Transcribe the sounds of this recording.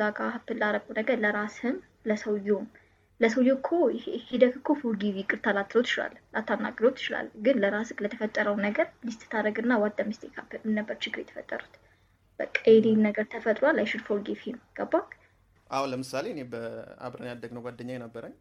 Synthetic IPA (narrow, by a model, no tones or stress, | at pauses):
aɡʼahapːɨlːaɾəkʼunəɡəɾləɾashɨm | ləsəwjom | ləsəwjokʰohid̪əkkʰːofoɡivikʼɨɾt̪ʰalat̪ʰːlot̪ʰːɨ̥t͡ʃɪla̰llʔat̪ʰːanːa̰ɡʼlot̪ːɨ̥t͡ʃɪla̰lːɡɨnləɾasɨklət̪ʰəfət̪ʼːəɾəwnəɡəɾmist̪ʰɨ̥t̪ʰaɾəɡɨnːawad̪amist̪ʰekʰapːɨmɨnːəbːəɾt͡ʃɪɡɨɾjɛt̪ə̥fə̰t̪ʼːə̰ɾut̪ | b̥əkʼːajɛnenəɡəɾt̪ʰəfət̪ʼɾwalːajʃɪd̪folɡifiemːɡ̥əbːak | ʔahunləmɨsaleɨnebəa̰bɾənjad̪ːəɡnəwɡʷad̪ːəɲːajnəbːəɾəɲː